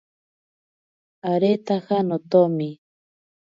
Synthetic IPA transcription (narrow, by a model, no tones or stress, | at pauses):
aɾet̪axanot̪omi